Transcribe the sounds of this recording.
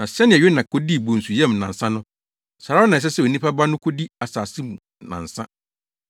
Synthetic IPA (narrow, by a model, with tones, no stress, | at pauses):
nã˨sɛ˦nɪ̃˨ɛ˨ɥe˦nã˨kʰo˦di˦˨bõ˨n̩˨su˨jɛ˦mnã˨n̩˨sã˦nʊ̃˦ | saː˨ɾa˦nã˨s̬ɛ˦sɛ˨o˨nĩ˦pʰa˦ba˦nʊ̃˦kʰo˦di˦a˨saː˨sɪ˦m˨ | nã̰˨n̩˨sã˦